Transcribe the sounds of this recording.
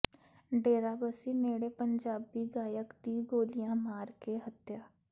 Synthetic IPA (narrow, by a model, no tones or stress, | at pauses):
ɖeːɾaːbəsineːɽeːpəɲd͡ʒaːbiːɡaːjəkd̪iːɡoːlɪjãːmaːɾkeɦət̪jaː